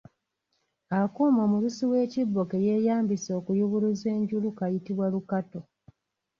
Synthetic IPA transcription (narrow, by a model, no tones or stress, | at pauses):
akuːmamulusiwe̞ːcibːo̞ke̞je̞jaːmbiso̞ːkujuβuluze̞ːɲɟulukajitiβwalukato̞